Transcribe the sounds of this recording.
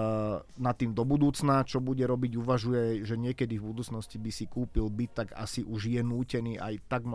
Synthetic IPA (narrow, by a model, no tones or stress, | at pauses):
nat̪ːiːmd̪ɔbud̪uːt͡snat͡ʃɔbuɟɛɾɔbiɟuʋaʒujɛʒɛɲɪɛkɛd̪ivbud̪uːt͡snɔscibisikuːpilbit̪ːaɡa̰siʔuʒjɛnuːcɛniːʔa̰jt̪aɡm